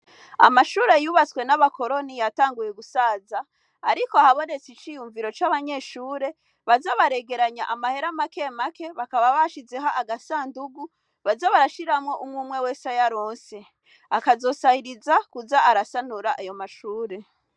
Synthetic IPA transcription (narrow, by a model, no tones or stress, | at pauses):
a̰maʃuːɾe̞juːβat͡swe̞naβako̞ɾo̞nijataːŋɡuje̞ɡusaːzaː | ɾikoahaβo̞ne̞t͡sit͡ʃijuɱviɾo̞t͡ʃaβaɲe̞ʃuːɾe̞ | βazaβaɾe̞ɡe̞ɾaɲa̰ʔamahe̞ɾamake̞make̞βakaβaβaʃizeɦaʔːɡasaːnduɡu | βazaβaɾaʃiɾamŋo̞ʔumŋuːmwe̞we̞ːsajaɾo̞ːnse̞ | akazo̞sahiɾizakuzaaɾasanuɾaʔajo̞maʃuːɾe̞